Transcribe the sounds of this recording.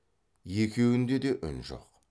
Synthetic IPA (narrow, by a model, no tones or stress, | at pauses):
je̞kʲe̞wɪnd̪e̞d̪e̞ʔʏnʒo̰q